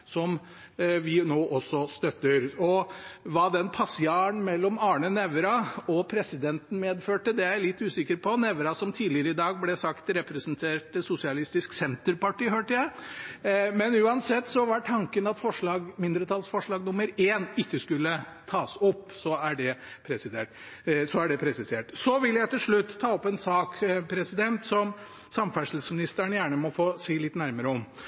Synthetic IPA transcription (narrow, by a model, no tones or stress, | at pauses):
sɔm | ʋɪnoːʔɔsːɔst̪œt̪ːəɾɔʋɑːd̪ɛnpʰɑsɪɑːnmɛlːɔmɑːɳənɛʋɾɑɔpʰɾɛsɪd̪ɛnt̪n̩meːd̪føːʈəd̪ɛjæɪlɪt̪ːʉːsɪkːəɾpʰɔnɛʋɾɑsɔmt̪ʰiːd̪lɪəɾəɪd̪ɑːɡ̚blɛsɑkt̪ɾɛpɾɛsənt̪ʰeːʈsʊsɪɑlɪst̪ɪsksɛnt̪əɾpɑʈiːhøːʈəjæɪ | mɛnʉːɑnsɛt̪ːsɔʋɑʈʰɑŋkənɑt̪fɔʂɭɑːɡmɪnd̪ɾət̪ʰɑlsfɔʂɭɑːɡnʊməɾeːnɪkːəskʉlːət̪ʰɑːsɔpːsɔæɖɛpʰɾɛsɪd̪eːʈ | sɔæɖɛpʰɾɛsɪseːʈsɔʋɪljæɪt̪ɪlʂɭʉt̪ːʰɑːɔpɛnsɑːkpʰɾɛsɪd̪ɛnt̪sɔm | sɑmfæʂl̩smɪnɪst̪əɳjæːɳəmɔfoːsiːlɪt̪næɾməɾəɔm